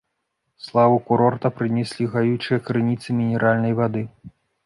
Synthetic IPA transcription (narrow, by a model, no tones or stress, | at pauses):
slˠavukuɾɔrt̪ɐpɾɨnʲɛsʲlʲiɣajut͡ʂɨjɐkɾɨnʲit̪sɨmʲinʲɛɾʔalʲnɐjvad̪ɨ